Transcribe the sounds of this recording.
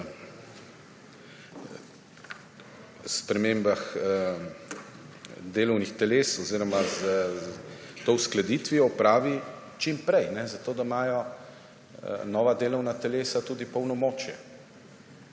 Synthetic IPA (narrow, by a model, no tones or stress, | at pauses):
spɾɛmeːmbax | d̪eːlɔwnixt̪ɛleːsɔziːɾɔmaz | t̪owsklad̪iːt̪ʋiɔpɾaːʋi | t͡ʃimpɾɛjnɛzat̪oːd̪amaːjɔ | nɔːʋad̪eːlɔwnat̪ɛleːsat̪uːd̪ipɔwnɔmoːt͡ʃjɛ